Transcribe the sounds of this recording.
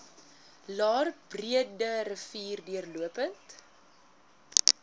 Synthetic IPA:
lɑːrbriədəɾəfiːrdiərluəpənt

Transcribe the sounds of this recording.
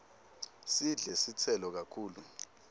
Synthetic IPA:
siɮɛsit͡sʰɛlɔk̬akʰuːlu

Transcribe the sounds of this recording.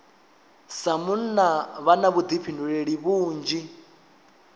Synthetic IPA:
samun̩naβanaβud̪ipʰinduɺeɺiβuːnd͡ʒi

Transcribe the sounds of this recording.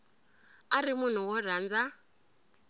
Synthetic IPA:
aɾimun̤uwɔrand͡za

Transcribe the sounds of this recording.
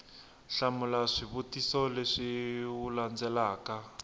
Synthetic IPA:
ɬamulaʂiβutisɔleʂiuland͡zɛlaːka

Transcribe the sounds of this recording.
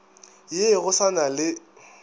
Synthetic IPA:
jeɣʊsanalɪ

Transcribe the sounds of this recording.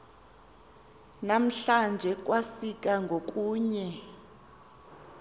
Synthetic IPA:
nam̩ɬand͡ʒʱɛk̬ʼwasik̬ʼaŋɡʱok̬ʼuːɲɛ

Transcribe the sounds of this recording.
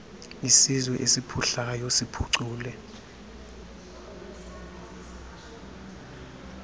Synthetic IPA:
isizwɛʔesipʰuɬajɔsipʰuǀuːlɛ

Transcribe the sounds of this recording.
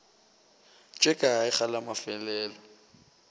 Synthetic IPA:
t͡ʃʼɛkʼaaɪk͡xalamafɛlɛːlɔ

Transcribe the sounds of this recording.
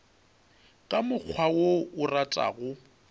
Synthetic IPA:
kʼamʊk͡xʰwawoʊratʼa̰ːɣʊ

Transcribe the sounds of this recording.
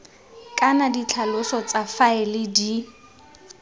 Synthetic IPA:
kʼanadit͡ɬʰalʊsɔt͡safaɪlɪdi

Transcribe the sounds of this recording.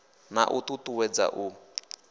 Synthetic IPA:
na̰ʔut̪ut̪uwɛd͡za̰ʔu

